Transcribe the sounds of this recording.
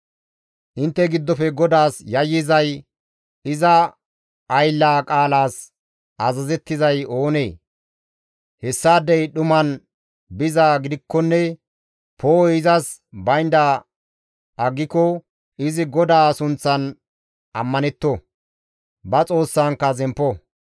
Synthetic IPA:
ʔɪnt̪ːɛɡɪd̪ːɔpɛɡɔd̪aːsjɐjːɪzɐj | ɪzɐ | ʔːjlːaːkʼaːlaːs | ʔɐzɐzɛt̪ːɪzɐjo̞ːne̞ː | hɛsːaːd̪ɛjɗʊmɐn | bɪzaːɡɪd̪ɪkːɔnːɛ | pʰoːɪzɐs | bɐjnd̪a | ʔɐɡːɪkɔ | ɪzɪɡɔd̪aːsʊnt͡sːɐn | ɐmːɐnɛt̪ːɔ | bɐt͡sʼo̞ːsːaːŋkːɐzɛmpːɔ

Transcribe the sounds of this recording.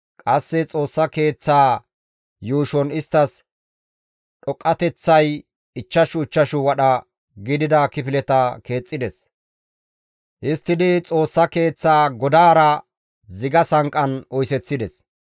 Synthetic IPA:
kʼɐsːɛt͡sʼo̞ːsːɐke̞ːt͡sːaː | juːʃɔnɪst̪ːɐs | ɗɔkʼːɐt̪ɛt͡sːɐj | ɪt͡ʃːɐʃʊɪt͡ʃːɐʃʊwɐɗɐ | ɡɪd̪ɪd̪ɐkɪfɪlɛt̪ɐke̞ːt͡sʼːɪd̪ɛs | ʔɪst̪ːɪd̪ɪt͡sʼo̞ːsːɐke̞ːt͡sːaːɡɔd̪aːɾɐ | zɪɡɐsɐŋkʼːɐnɔjsɛt͡sːɪd̪ɛs

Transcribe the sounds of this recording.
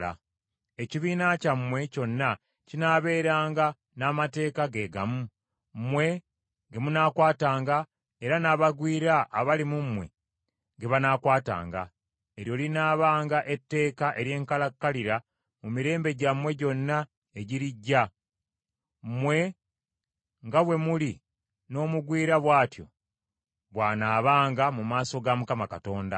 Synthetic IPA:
a̰ | e̞ciβiːnacamːwe̞co̞nːa | cinaːβe̞ːɾaːŋɡa | naːmate̞ːkaɡe̞ːɡa̰mu | mwe̞ | ŋɡe̞munaːkwaːtaːŋɡa | e̞ɾanaːβaɡwiːɾaʔːβalimumwe̞ | ŋɡe̞βanaːkwaːta̰ːŋɡa̰ | e̞ɾjo̞ːlinaːβaːŋɡaʔe̞tːe̞ːkaʔe̞ɾje̞ːŋkalakːaliɾa | mumiɾe̞ːmbe̞ɟamwe̞ɟo̞nːa | e̞ɟiɾiɟːa | mwe̞ | ŋɡaβwe̞muli | no̞ːmuɡwiːɾaβwaːtjo̞̰ | βwaːnaːβaːŋɡamumaːso̞ɡamukamakato̞ːnda̰

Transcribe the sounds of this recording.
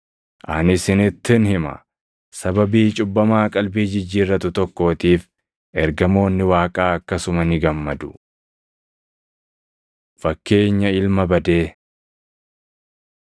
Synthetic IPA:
ʔɐnɪsɪnɪt̪ːɪnhɪmɐ̰ | sɐbɐbiːt͡ʃʼʊbːɐmaːkʼɐlbiːd͡ʒɪd͡ʒːiːrːɐt̪ʊt̪ɔkːo̞ːt̪iːf | ɛɾɡɐmo̞ːnːɪwaːkʼaːɐkːɐsʊmɐnɪɡɐmːɐd̪ʊ | fɐkːe̞ːɲːɐɪlmɐbɐd̪e̞ː

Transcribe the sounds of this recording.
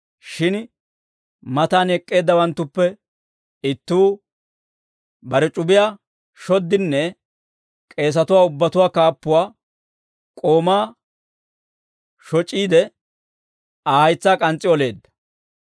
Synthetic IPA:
ʃɪn | mɐt̪aːnɛkʼːe̞ːd̪ːɐwɐnt̪ːʊpːɛ | ɪt̪ːuː | bɐɾɛt͡ʃʼʊbɪjaː | ʃɔd̪ːɪnːɛ | kʼe̞ːs̬ɐt̪ʊwaːʊbːɐt̪ʊwaːkaːpːʊwaː | kʼo̞ːmaː | ʃɔt͡ʃʼːiːd̪ɛ | ahɐjt͡sːaːkʼɐnt͡sʼːɪɔle̞ːd̪ːɐ̥

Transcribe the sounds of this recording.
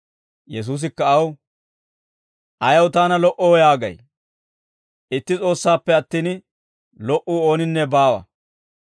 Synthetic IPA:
jɛs̬uːs̬ɪkːɐɐw | ʔɐjɐwt̪aːnɐlɔʔɔwjaːɡɐ̰j | ʔɪt̪ːɪt͡sʼo̞ːsːaːpːɛɐt̪ːiːn | lɔʔuːo̞ːnɪnːɛbaːwɐ̰

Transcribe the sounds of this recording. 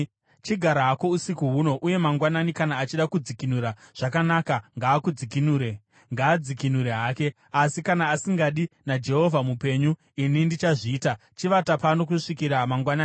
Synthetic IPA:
t͡ʃiɡʱaɾaɦako̞usikuɦuno̞ʔuje̞maŋɡwananikanaːt͡ʃiɗakud͡zikinuɾaʐ̥akanakaŋɡaːkud͡zikinuːɾe̞ | ŋɡaːd͡zikinuɾeɦaːke̞ | asikanaːsiŋɡaɗinad͡ʒe̞ɦo̞vʱamupe̞ɲu | inindit͡ʃaʐiːta | t͡ʃiʋatapano̞k̬uʂikiɾamaŋɡwanaːni

